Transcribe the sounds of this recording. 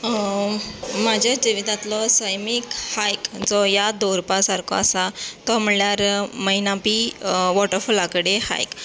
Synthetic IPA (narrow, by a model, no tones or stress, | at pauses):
mad͡ʑʱjad͡ʑiʋid̪ãt̪lɔsəjmikhajkd͡zɔjad̪oɾpasaɾkɔ̰asat̪ɔm̤əljaɾməinãpiʋɔʈəɾfulakəɽeha̰jk